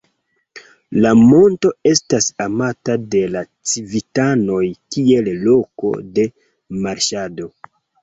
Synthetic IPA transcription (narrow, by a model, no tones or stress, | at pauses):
lamo̞nto̞e̞stasamatade̞la | t͡sivitano̞jkie̞llo̞ko̞̰de̞ | maɾʃado̞